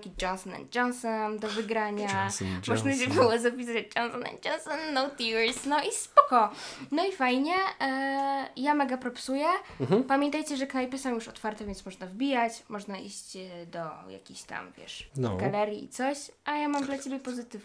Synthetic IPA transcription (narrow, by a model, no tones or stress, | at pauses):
kʲid͡ʒɔnsɔnɛ̰nd̪̚d͡ʒɔnsɔmd̪ɔvɘɡɾaɲamɔʐnaɕɛbɨwɔzapʲisaad͡ʑd͡ʒɔnsɔnɛ̰nd̪̚d͡ʒɔnsɔnːɔwt̪iɾsnɔispɔkɔnɔifajɲɛ | jamɛɡapɾɔpsujɛpamʲjɛnt̪ajt͡ɕɛʐɛknajpʲɛsɔ̃w̃juʂɔt̪faɾt̪ɛvʲɛnt̪smɔʐnavbʲijat͡ɕmɔʐnaʔiɕt͡ɕd̪ɔja̰kʲiɕt̪a̰mvʲjɛ̰ʂnɡalɛɾʲjiḭt̪sɔɕajamamd̪lat͡ɕebʲjɛpɔzɘt̪ɘv